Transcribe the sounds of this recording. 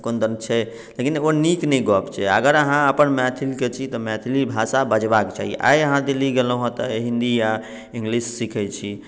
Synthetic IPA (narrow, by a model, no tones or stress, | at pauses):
kond̪ənt͡ʃʰɛ | lekinoniknɛjɡɔpt͡ʃʰɛə̰ɡəɾəɦãəpənmɛt̪ʰiliket͡ʃʰit̪ɔmɛt̪ʰilibʱasabəd͡ʒbaket͡ʃa̰ɦijḛʔa̰jəɦãd̪eliɡeloɦɔ̃t̪ɔɦĩnd̪ija | ĩŋɡlisːikʰɛt͡ʃʰi